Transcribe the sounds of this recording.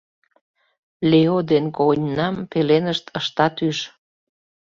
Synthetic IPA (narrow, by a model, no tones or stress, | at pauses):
leod̪enkonʲnɑmpelenəʃt̪ʰəʃt̪ɑt̪yʃ